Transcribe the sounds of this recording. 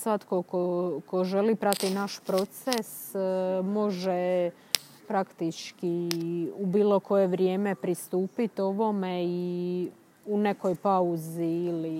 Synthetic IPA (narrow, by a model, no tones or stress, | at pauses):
sʋat̪kokoko̞ʒe̞lipɾat̪inaʃpɾo̞t̪ses | mo̞ʒe | pɾakt̪it͡ʃkiubiːlo̞ko̞je̞ʋɾje̞ːme̞pɾist̪uːpit̪o̞ʋo̞mei | une̞ko̞jpauziili